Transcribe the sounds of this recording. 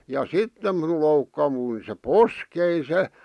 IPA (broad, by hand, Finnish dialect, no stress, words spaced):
jɑ sitːe minul loukːɑʋui se poskei se